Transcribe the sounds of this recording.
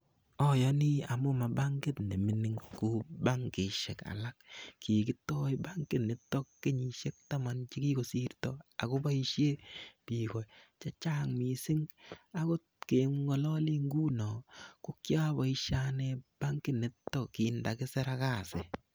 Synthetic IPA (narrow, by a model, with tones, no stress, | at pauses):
ɔ˦jɔ˦ni˦a˨mʊ˦ma˨ba˦ŋɡɪ˦tne˨mɪ˨ni˦ŋku˦ba˦ŋkɪ˨ʃe˨ka̰˨la˦kki˨kɪ˦tɔ˦jba˦ŋkɪ˦nɪ˦tːɔ˦kkːɪ˦ɲi˨ʃe˦k̚ta˦ma˨nt͡ʃi˦ki˦ko˨si˦ɾtɔ˦a̰˨ko˦ba˦i˦ʃje˦pi˨kɔ˨t͡ʃa˦t͡ʃa˦ŋmi˨sɪ˦ŋa˦ko˦tke˨ŋŋɔ˦lɔ˦li˦ŋɡu˦nɔ˨ku˦kja˦ba˨i˦ʃa˦neb̥a˦ŋkɪ˦nɪ˦tːɔ˦ki˨nda˨kɪ˦sɛ˦ɾa˦ka˦˨sɪ˨